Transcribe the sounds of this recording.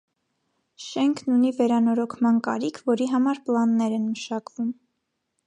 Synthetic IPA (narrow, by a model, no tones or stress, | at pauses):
ʃɛŋkʰnunivɛɾɑnɔɾɔkʰmɑnkɑ̰ɾikʰvɔɾiɦɑmɑɾplɑnːɛɾɛnməʃɑkvum